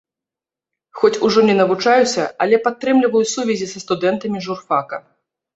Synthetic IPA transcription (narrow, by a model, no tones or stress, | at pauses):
xɔt͡sʲuʐɔnʲɛnɐvut͡ʂajusʲɐɐlʲɛpat̪ːɾɛmlʲivɐjusuvʲɛzʲisɐst̪ud̪ɛnt̪ɐmʲiʐurfakɐ